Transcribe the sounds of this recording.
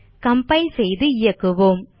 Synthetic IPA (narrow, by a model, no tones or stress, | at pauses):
kɐmpɐɪsɛjðɯɪjɐkːɯʋoːm